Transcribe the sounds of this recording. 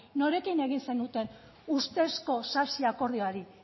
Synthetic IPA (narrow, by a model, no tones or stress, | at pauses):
no̞ɾe̞kine̞ɣinsenut̪e̞n | ust̪e̞sko̞sasiako̞ɾðioaɾi